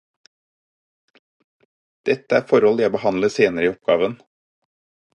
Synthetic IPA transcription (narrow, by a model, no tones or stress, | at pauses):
d̪̥ɛt̪əæːɾfɔɾɔljæɪbəhɑnləseːnəɾəiːɔp̚ɡɑːʋən